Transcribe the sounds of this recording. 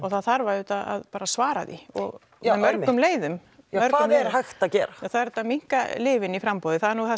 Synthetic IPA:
ɔɣθaðθaɾvaʏːt̪aða̰ðpaːɾasvaːɾaðḭɔ̰ɣ | ɛðmœɾkːʏmleːjðʏm | œɾkaʏːmlɛɾɦaxt̪acɛːɾaaθaðɛɾt̪ːamiŋ̥kalɪːvɪnifɾampowðɪθaðɛɾnuɣθa

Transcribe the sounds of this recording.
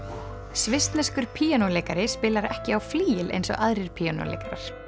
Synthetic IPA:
svɪst̪nɛskʏɾ̥pʰiːanoleːjkaɾɪspɪːlaɾɛhcɪawfliːjɪlʔḛjnsɔ̰ʔaðɾɪɾ̥pʰiːano̰lḛjkaɾa̰ɾ̥

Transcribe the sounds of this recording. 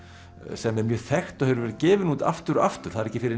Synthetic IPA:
sɛmɛɾmjœːθɛxt̪ɔhɛvɾʏɾvɛɾɪðcɛːvɪnuːt̪a̰ft̪ʏɾa̰ft̪ʏɾ̥θaðɪɾɛcɪfɪɾɪ

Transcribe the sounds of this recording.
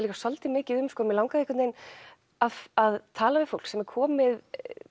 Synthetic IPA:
liːkḁsɔlt̪ɪmɪːcɪðʏmskɔːmɪlawŋkaðeɛhkʏt̪nejn | aaðt̪ʰaːlavɪðfowl̥ksɛmɛɾkʰɔːmɪð

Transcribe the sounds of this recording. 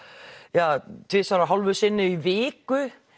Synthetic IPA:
jaːt̪ʰɪsaɾaɦalvʏsɪnːɪivɪːkʏ

